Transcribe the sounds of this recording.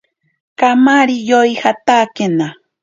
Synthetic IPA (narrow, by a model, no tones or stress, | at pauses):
kamaɾijojhat̪akena